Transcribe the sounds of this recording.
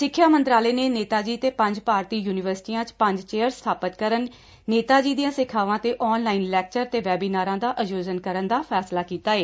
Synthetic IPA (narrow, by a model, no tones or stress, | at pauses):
sɪkʰːjaːmə̃nt̪ɾaːleːneːneːt̪aːd͡ʒiːt̪eːpə̃ɲd͡ʒpaːɾt̪iːjuːnɪʋəɾsɪ̥ʈiːãːt͡ʃpə̃ɲd͡ʒt͡ʃeːəɾst̪ʰaːpət̪kəɾənː | eːt̪aːd͡ʒiːd̪ijãːsɪkʰaːʋãːt̪eːʔɔːnlaːinlɛːk̚t͡ʃəɾt̪eːʋɛːbiːnaːɾãːd̪aːʔəd͡ʒoːzənkəɾənd̪aːpʰɛːslaːkiːt̪aːeː